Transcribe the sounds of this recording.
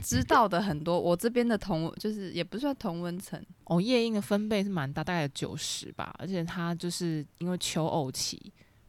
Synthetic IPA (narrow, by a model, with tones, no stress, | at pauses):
ʈ͡ʂɻ̩˥t̪ɑ˥˩ʊd̪ə˩ɦə˨˩nt̪wɔ˥wʔɔ˨˩ʈ͡ʂɤ˥˩p̬jɛ˥nd̪ə˨t̪ʰɔ˧˥ŋt͡ɕjo˥˧ʊʂɻ̩˥˩jɛ˨˩pu˧˥swa˥˩nt̪ʰo˧˥ŋwə˧˥nt͡sʰə̰˧˥˦ŋʔɔ˥˨˩jɛ˥˧i˥˩ŋd̪ə˩fə˦˥npe˥˧ɪʂɻ̩˥˩ma˧˦nt̪a˥˧t̪a˥˩ɪjo˨˩t͡ɕjo̰˨˩ʊʂɻ̩˨˧˦ba̰˨ʔə̰˧˥t͡ɕʰjɛ˨˩t̪ʰa˥t͡ɕjo˥˧ʊʂɻ̩˥˩i˥nwe˥˩ɪt͡ɕʰjo˧˥ʊʔo˥˩ʊt͡ɕʰḭ˨˦